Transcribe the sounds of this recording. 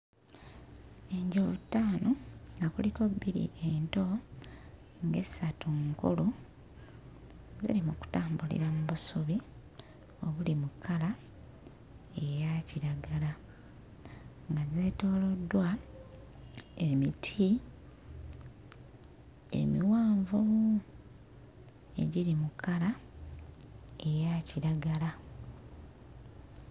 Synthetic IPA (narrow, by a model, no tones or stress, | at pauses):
e̞ɲɟovutːaːnoŋɡakuliko̞biɾḭʔento̞ | ŋɡe̞satuŋkṵlu | zḭɾimuku̥taːmbulḭɾamuβusuβi | oβulimukʰːala | ejaciɾaɡala | ŋɡazeto̞ːlo̞dːwa | emitʰi | ḛmḭwaːɱvo | e̞̰ɟiɾimukala | ejaciɾaɡala